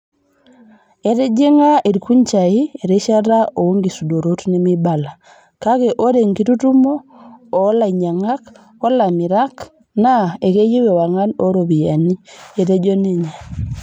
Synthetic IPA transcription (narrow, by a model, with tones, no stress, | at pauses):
e˨ɾe˦d͡ʒe˦ŋa˦ʔi˨ɾku˦ɲt͡ʃa˨i˦e˨ɾe˦ʃa˦ɾa˦o˨u˦ŋɡi˨su˨do˨ɾo˦tni˦mi˦ba˨la˨ | ka˦ke˨ʔo˦ɾe˨ŋɡi˦tu˦tu˦mo˦o˨˦la˨ɲa˨ŋa˦k | o˦la˨mi˨ɾa˦k | na˦e˨ke˦ji˦we˨wa˨ŋa˦no˦ɾo˨bi˨ja˨ni˦e˨ɾe˦d͡ʒo˦ne˦ɲa˨